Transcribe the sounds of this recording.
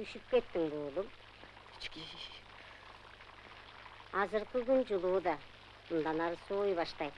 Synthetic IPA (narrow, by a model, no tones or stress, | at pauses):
yʃyp̚kʲe̞t̪ːɪŋbulˠumʰ | t͡ʃ | ɑzɨɾqɪɡʲynd͡ʒulˠuːd̪ɑ | mʊnd̪ɑnɑɾɯsojbɑʃt̪ɑj̪